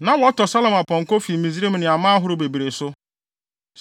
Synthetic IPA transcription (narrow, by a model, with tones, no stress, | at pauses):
na˨˦wɔ˦tɔ˨sa˦lɔ˨ma˨pɔ˨ŋ̩˨ko˦fi˨mi˨zi˦ɾe˦m̩˨nɪ˨a˨ma˦a˦ɦʊ˦ɾʊ˦be˨bi˨ɾe˨sʊ˦